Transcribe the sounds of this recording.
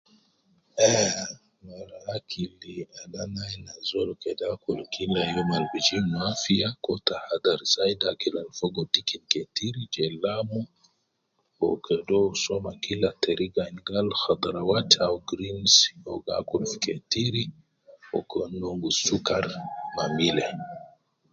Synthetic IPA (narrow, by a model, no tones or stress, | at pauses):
ɛ | maɾaakʰilialanajnazɔlɔkɛdakɔlkilajɔmalbid͡ʒimuafiakɔtahad̪aɾisaidakilalfɔɡɔtikinkɛtiɾid͡ʒɛlamɔ | ɔkʰɛdɔsɔmakilatɛɾiɡanɡalxad̪aɾawatʰawɡɾinsɔ̰ɡa̰kulfi̥kɛtiɾi | ɔ̰kɔnɔŋɡusukaɾmamilɛ